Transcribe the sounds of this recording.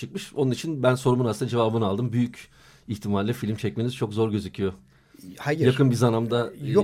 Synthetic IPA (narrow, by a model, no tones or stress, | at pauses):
t͡ʃʰɯk̚mɯʃonunit͡ʃʰinbænso̞ɾumunasɯnd̪ad͡ʒe̞vaːbɯnalˠd̪ɯmbyjyc | içt̪ʰimaɾʲlʲɛfilʲimt͡ʃʰɛc̚meniz̥t͡ʃʰo̞kzo̞ɾɟø̞zycʰijo | hajjakɯnbizanamd̪a